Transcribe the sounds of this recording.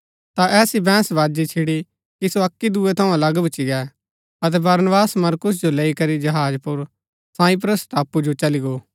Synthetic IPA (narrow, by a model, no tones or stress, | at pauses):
t̪aʔɛːsibɛ̃ːsʋaːd͡ʒit͡ʃʰɪɽi | kisoɐkːid̪uːet̪ʰɐũɐlɐɡbʊt͡ʃiɡɛː | ɐt̪̬ɛbɐɾnbaːsmɐɾkʊs̬d͡ʒoleːikɐɾid͡ʒɐɦaːd͡ʒpʊɾ | sãːip̬ɾəst̪aːpːud͡ʒot͡ʃɐliɡoː